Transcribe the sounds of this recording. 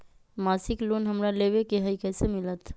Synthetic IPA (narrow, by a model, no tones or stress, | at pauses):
maːsɪkloːnɦəmɾaleʋekeɦəikɛsemɪlət̪